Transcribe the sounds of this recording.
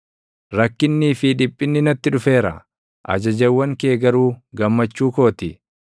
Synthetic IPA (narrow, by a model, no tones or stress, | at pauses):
ɾɐkːɪnːiːfɪᶑɪpʼːɪnːɪnɐt̪ːɪᶑʊfe̞ːɾɐ̰ | ʔɐ̰d͡ʒɐd͡ʒɐwːɐŋke̞ːɡɐɾuːɡɐmːɐt͡ʃːuːko̞ːt̪ɪ